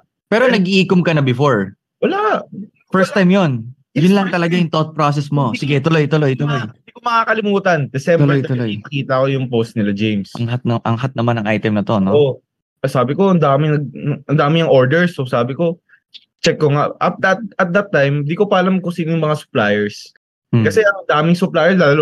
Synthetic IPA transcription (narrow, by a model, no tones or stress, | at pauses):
pɛːɾonɐɡiʔiːkomkɐnɐbɪfoɹ | wɐlaʔ | fɛɹst̪ajmjon | jʊnlɐŋt̪ɐlɐɡajʊŋt̪ot̪̚pɾoːs̬ɛsmo̞sɪɡɛt̪ʊlojt̪ʊlojt̪ʊlojd̪ikomɐŋakɐlɪmuːt̪ɐnd̪ɛsɛmʊlbɛojt̪ʊlojɐkiːt̪ɐkojʊŋpost̪̚nɪlad͡ʒejmsʔɐŋhat̪̚nɐŋʔɐ̰ŋɦat̪̚nɐmanɐŋʔajt̪ɛmnɐt̪o̞noo | ʔsaːbɪko̞ʔɐnd̪aːmɪŋnɐɡ̚ɐɐnd̪aːmɪɐŋʔoɹd̪ɛɹsʔosaːbɪko̞ | t͡ʃɛkːoŋaʔʔɐt̪̚d̪ɐt̪̚ɐt̪̚d̪ɐt̪ːajmd̪ikopɐʔɐlamkʊsiːnojʊŋmɐŋasʊ̥plaːjɛɹs | kɐsɛʔɐŋʔɐnd̪aːmɪŋsʊplaːjɛɹslaːlɐlo